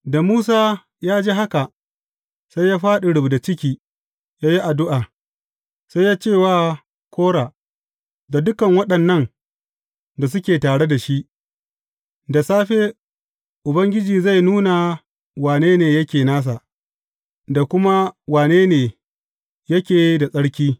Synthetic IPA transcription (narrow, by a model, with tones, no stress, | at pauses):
da˨muː˦s̬aː˦ | jaː˦d͡ʒeː˦ɦa˦ka˨ | sa˦jjaː˦ɸaː˦ɗe˨ɽʊ˨bda˨t͡ʃɪ˦kʲiː˨ | jaː˦ji˦ʔa˨dʊ˦ʔaː˨ | sa˦jːaː˦t͡ʃeː˦˨waː˨ | kʷoː˦ɽaː˨ | da˨dʊ˦kɐ˨ŋwɐ˦ɗɐ˨nːɐ˦ŋ | da˨s̬ʊ˦kʲeː˨taː˨ɽe˦da˨ʃi˦ʔ | da˨saː˦ɸeː˦ | ʔʊ˨bɐ˦ŋɡʲɪ˦d͡ʒiː˨za˦˨jnuː˦na˨ | waː˨neː˦neː˨jɐ˦kʲeː˨naː˦s̬a˨ʔ | da˨kʷʊ˦ma˦waː˨neː˦neː˨ | jɐ˦kʲeː˨˦da˨sʼɐ˦ɽkʲiː˦